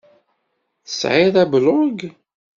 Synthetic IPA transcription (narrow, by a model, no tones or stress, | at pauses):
θə̥sʕɪðˤæblʊɡ